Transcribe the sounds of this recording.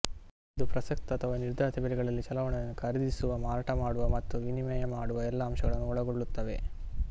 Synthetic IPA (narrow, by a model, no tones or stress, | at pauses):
id̪upɾɐsɐkt̪ɐɐt̪ʰɐʋaniɾd̪ʱaːt̪ʰibɐliɡɐɭɐlːit͡ʃɐlɐʋɐɳɐjɐnːukʰɐɾɐd̪isuʋɐmaːɾaʈɐmaːɽuʋɐmɐt̪ːuʋinimɛjɐmaːɽuʋɐɛlːɐːmʃɐɡɐɭɐnːuɔɭɐɡoɭːut̪ːɐʋe̞̰